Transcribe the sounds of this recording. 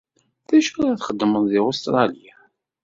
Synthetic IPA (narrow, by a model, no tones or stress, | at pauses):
θæʃʊɾaθχəd̪ːəməðˤðiost̪ɾˤɑlija